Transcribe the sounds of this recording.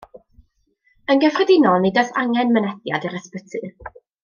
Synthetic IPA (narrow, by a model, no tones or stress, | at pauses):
ənɡɛfrɛdɪnɔlˠnidasaŋɛnmənɛdja̰diɾəspətʰɨ